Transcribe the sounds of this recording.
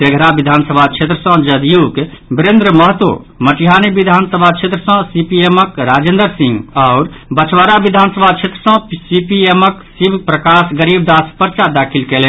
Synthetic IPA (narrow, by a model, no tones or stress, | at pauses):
t̪eɡʱɾabid̪ʱansəbʱat͡ʃʰet̪ɾəsɔ̃d͡ʒəd̪ijukbɾend̪ɾəməɦt̪wo̰ | məʈijɦanibid̪ʱansəbʱat͡ʃʰet̪ɾəsɔ̃sipieməkɾad͡ʒend̪əɾsĩŋɡaʊɾbət͡ʃʰwaɾabid̪ʱansəbʱat͡ʃʰet̪ɾəsɔ̃psipieməksibʱpɾəkasɡəɾib̚d̪aspəɾt͡ʃad̪akʰilkelẽ